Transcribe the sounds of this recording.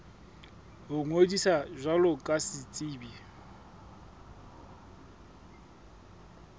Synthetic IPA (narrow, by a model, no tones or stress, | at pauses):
ɦʊŋwedisaʒʷalʊkʼasɪt͡sʼiːbi